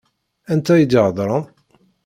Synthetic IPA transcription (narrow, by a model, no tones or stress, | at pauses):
ænt̪æjəd̪ʕðˤɾˤən